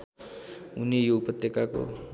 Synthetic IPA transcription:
unejoɡpʌt̪jʌkako̰

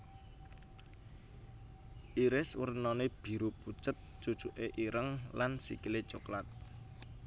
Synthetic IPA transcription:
ʔiɾɪswərnɔneb̥i̤ɾuput͡ʃət̪̚t͡ʃut͡ʃuʔeʔiɾəŋlansḭkilet͡ʃuklat̪̚

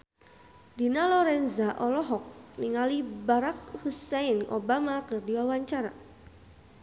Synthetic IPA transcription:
dinalɔɾɛnzaʔɔlɔɦɔk̚niŋalibaɾak̚husɛino̰bamakɨrdiwawaɲt͡ʃaɾa

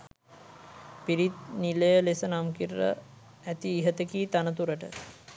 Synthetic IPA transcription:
piɾit̪niləjəlesənamkiɾːə̰ | æt̪iːɦət̪ekiːt̪anət̪uɾəʈə

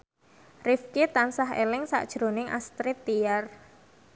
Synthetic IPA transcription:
rifkit̪ansaɦḛlɪŋsa̰ʔd̥ʒ̥ɾonɪŋʔa̰st̪ɾit̪ːiar

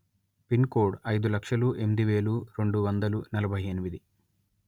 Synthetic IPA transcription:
pinkoːɖɐjd̪ulɐkʂɐluʔe̞mid̪iʋe̞ːluɾe̞ɳɖuʋɐnd̪ɐlunɐlɐbʱɐjenimid̪i

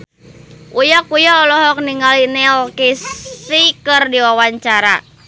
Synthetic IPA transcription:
ʔujakujaɔlɔɦɔk̚niŋalinɛlkisikərdiwawaɲt͡ʃaɾa̰

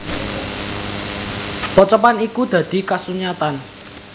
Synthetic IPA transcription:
pɔt͡ʃɔpanikud̪̥ä̤d̪̥i̤kasuɲat̪an

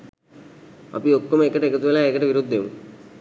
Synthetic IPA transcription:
ɐ̰piokːomekəʈəekɐt̪uʋelaːekəʈəʋiɾud̪ʱːemṵ

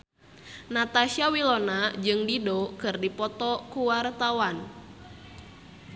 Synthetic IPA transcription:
nat̪aʃiawilɔnad͡ʒɨŋdidɔkɨrdipɔt̪ɔkuwart̪awan

